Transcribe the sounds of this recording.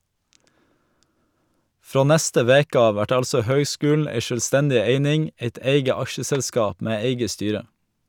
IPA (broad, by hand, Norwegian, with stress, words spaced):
ˈfɾoː ˈnɛstə ˈʋeːkə ˈɑːʋ ˈʋæʈ ˈɑlsɔ ˈhœʏˌskʉːln̩ ˈæɪ ʃœlˈstɛndɪ ˈeɪnɪŋ ˈeɪt ˈeɪɡə ˈɑʃəsɛlˌskɑːp ˈmeː ˈeɪɡə ˈstyːɾə